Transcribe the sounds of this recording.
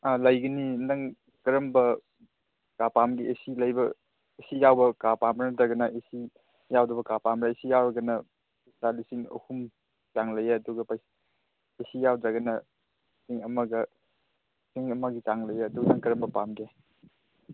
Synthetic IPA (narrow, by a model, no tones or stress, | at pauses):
alɐjɡɐninɐŋ | kɐɾɐmbɐ | kapamɡiesilɐjbɐ | esijawbɐkapamɾanɐdɐɡɐnɐʔesi | jawdɐbɐkapamɾaesijawɾɐɡɐnɐ | talisiŋɐ̰hum | taŋlɐjaɐduɡɐpajs | esijawdɐɡɐnɐ | siŋɐmɐɡɐ | siŋɐmɐɡitaŋlɐjaɐduɡɐnɐŋkɐɾɐmbɐpamɡe